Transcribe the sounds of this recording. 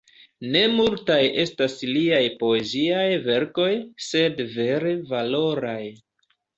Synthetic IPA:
ne̞multajʔe̞stasliajpo̞e̞ziajve̞ɾko̞jse̞dve̞ɾe̞valo̞ɾaj

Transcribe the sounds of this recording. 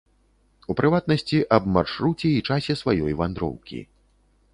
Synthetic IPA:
upɾʔɨvat̪̚nɐsʲt͡sʲiʔɐbmarʂɾut͡sʲɛit͡ʂasʲɛsvajɔjvand̪ɾɔ̰wkʲḭ

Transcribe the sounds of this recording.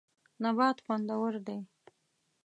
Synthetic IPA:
nabɑt̪xand̪awəɾd̪aj

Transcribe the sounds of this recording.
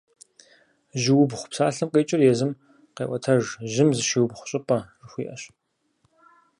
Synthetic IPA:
ʒɪwʊbχʷʊ̥psaːɬɐmqʼeːt͡ʃʼɪrjɛzɨm | qḛːʔʷʼɐtʰɐʐʒɪmzɨʃiwbχʷʊ̥ɕʼɪpʼɐrɨxʷiːʔɐɕ

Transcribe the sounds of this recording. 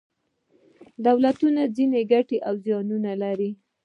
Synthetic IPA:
d̪awlat̪unazineɡaʈeʔawzjɑnunalaɾi

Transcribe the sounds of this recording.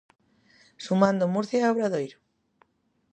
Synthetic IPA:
sumãnd̪omuɾθjaoβɾaðojɾo

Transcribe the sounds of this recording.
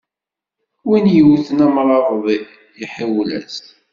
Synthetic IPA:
winjəwθənæmɾˤɑvðˤi | jiħiwlæ̰s

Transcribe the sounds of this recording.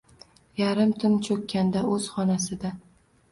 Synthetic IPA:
jaɾɪmt̪ʰɪnt͡ʃʰɵkʲʰːand̪aɵz̥χɒnasɪd̪a

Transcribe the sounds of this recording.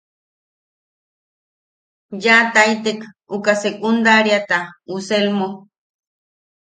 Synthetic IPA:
jat̪ajt̪ek | ukasekund̪aɾjat̪auselmo

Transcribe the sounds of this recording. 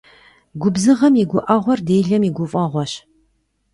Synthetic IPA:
ɡʷʊbzɨʁɐmiɡʷʊʔɐʁʷɔrdeːɮɐmiːɡʷʊfʼɐʁʷɔɕ

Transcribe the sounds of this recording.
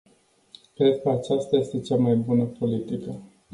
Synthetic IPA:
kɾe̞d̪̚kəat͡ʃast̪aje̞st̪e̞t͡ʃamajbunəpo̞lit̪ikə

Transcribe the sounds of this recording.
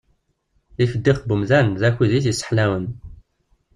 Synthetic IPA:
ifəd̪ːiχbumzænzæçʷiðiθisə̥ħlæwən

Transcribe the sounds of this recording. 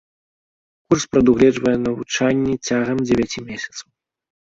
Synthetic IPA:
kurspɾɐd̪uɣlʲɛʐvɐjɛnɐvut͡ʂanʲːit͡sʲaɣɐmd͡zʲɛvʲat͡sʲimʲesʲɐt̪sɐw

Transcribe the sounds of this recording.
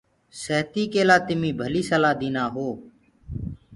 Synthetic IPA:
səɦt̪iːkeːlaːt̪ɪmĩːbʱəliːsəlaːd̪iːnaːɦoː

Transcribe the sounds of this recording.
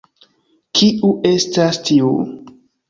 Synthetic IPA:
kiuʔe̞stastʰiu

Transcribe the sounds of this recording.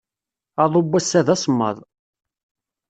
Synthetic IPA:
ɑðˤobːæsːæðæsˤmːə̰ðˤ

